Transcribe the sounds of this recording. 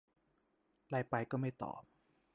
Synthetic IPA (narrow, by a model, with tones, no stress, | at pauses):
ɾa˧jpa˧jkɔː˥˩ma˥˩jt̪ɔ̰ː˨˩p̚